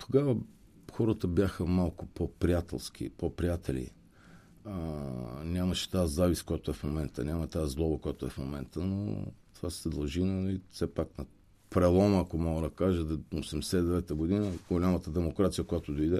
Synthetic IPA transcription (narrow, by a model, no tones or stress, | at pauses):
t̪ʰo̥ɡavə | xɔɾət̪əbjaxəmalˠkʊ̥popɾijat̪ɛ̰lˠsk̟ʲḭpopɾijat̪ʰɛlḭ | ənʲamɐʃɛ̥t̪azaviskojat̪ʊɛfmomɛnt̪ə̰nʲamɐt̪aːzlˠɔbəkojat̪ʊɛfmomɛnt̪əno̰t̪ovasɛd̪ɐlˠʒinifsɛpaknɐ | pɾɛlˠɔməakomɔɡəd̪ɐkaʒəd̪osɛmd̪ɛsɛid̪ɛvɛt̪əɡod̪inəɡolʲamət̪əd̪ɛmokɾat̪sijəkojat̪od̪oid̪ɛ